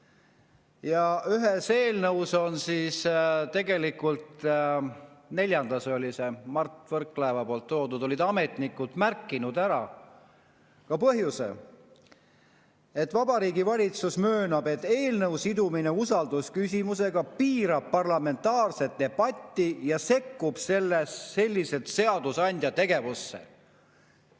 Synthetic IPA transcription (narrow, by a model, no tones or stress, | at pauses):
jɑyɦe̞se̞ːlnɤwso̞nsiːst̪e̞ɡe̞likːult̪ | ne̞lʲjɑnd̪̥ɑso̞lʲise̞mɑrt̪ːˑvɤrkːˑlɑevɑpo̞ːlt̪lo̞ːd̪ud̪olid̪ɑme̞t̪nikːult̪mærkːinud̪æɾɑ̰ | kɑpɤɦjuse̞̰ | e̞t̪ːˑvɑbɑɾiːɡivɑlʲit̪susmø̞ːnɑbe̞t̪ːe̞ːlnɤwsid̪umine̞usɑld̪uskysʲimuse̞ɡ̥ɑpiːɾɑb̥̚pɑrlɑme̞nt̪ːɑːrse̞t̪̚d̪e̞b̥ɑt̪ʲːijɑse̞kːub̥se̞lːesːe̞lʲːise̞t̪se̞ɑd̪̥usɑnʲd̪jɑt̪e̞ɡe̞vusːe̞̰